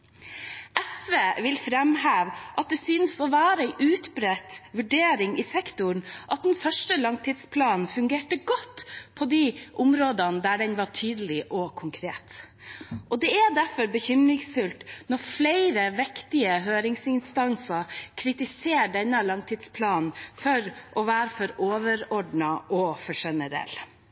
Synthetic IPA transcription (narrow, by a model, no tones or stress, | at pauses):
ʔɛsʋeːʋɪlfɾɛmhæːʋʔɑt̪̚d̪ɛsyːnsɔʋæːɾəɛʔʉːt̪bɾɛt̪ʋʉɖeːɾɪŋɪsɛkt̪ʊɾɳʔɑt̪̚d̪ɛnfœʂʈəlɑŋt̪ʰɪd̪spʰlɑːnn̩fʉŋɡeːʈəɡɔt̪ːpʰɔd̪iʔʊmɾoːd̪ənəd̪æɖɛnʋɑʈʰyːd̪əlɪʔɔkʰʊŋkʰɾeːt̪ | ʔɔd̪ɛæd̪æɾfɔɾbəçʏmɾɪŋsfʉlt̪nɔɾflæɪɾəʋɛkt̪ɪəɦøːɾɪŋsɪnst̪ɑnsɑkʰɾɪt̪ɪseːɾɖɛnːəlɑŋt̪ʰɪd̪spʰlɑːnnfɔɾʔɔʋæːɾfɔɾoːʋəɾɔɖɳɑʔɔfɔʂɛnəɾɛ̰lː